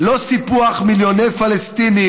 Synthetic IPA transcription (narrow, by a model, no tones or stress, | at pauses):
lo̞sipuaχmiljonejfalest̪ini